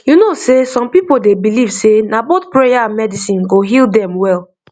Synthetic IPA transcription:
junosesɔ̃mpipodebilivsenabotpɹejaãnmɛdisĩnɡoɦilˠdɛ̃mwɛl

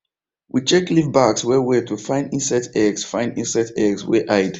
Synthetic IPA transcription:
wit͡ʃɛklivbakswɛwiatufãɪ̃ndĩnsɛtʰɛɡsfãɪ̃ndḭ̃nsɛtɛɡswɛ̰ʔaɪd

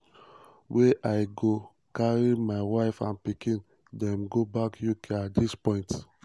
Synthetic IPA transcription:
weʔaɪɡo | kaɹimaɪwaɪfã̰npikĩn | dɛ̃mɡobakjukʰeat̚dispɔ̃ɪ̃nt

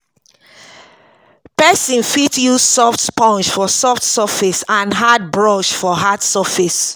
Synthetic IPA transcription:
pɛsĩnfitjusɔftpɔ̃nt͡ʃfɔsɔftsafisãnɦad̚bɹɔʃfɔɦadsafis

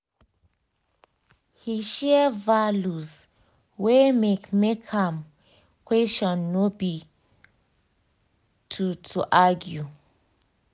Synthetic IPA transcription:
hiʃɛvaluz | wemekmekʰãm | kʰwɛst͡ʃɔ̃nːobi | tʰutʰuʔaɡju

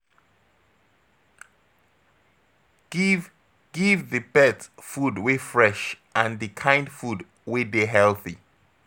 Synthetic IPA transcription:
ɡ̥ivðəbɛtfudwifɹɛʃʔãndɨkʰãj̃ndfud | wideɦɛlθi

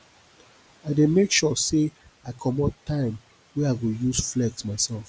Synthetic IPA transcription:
aɪdemekʃɔseaɪkʰɔmɔttːãɪ̃m | weaɪɡojusflɛk̚tmaɪsɛlf

